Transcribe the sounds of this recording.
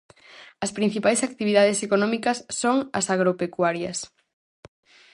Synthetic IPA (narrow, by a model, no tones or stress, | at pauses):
ɐspɾin̟θipajsak̚t̪iβiðaðesekonɔ̃mikɐsːoŋɐ̰saɣɾopekwaɾjɐs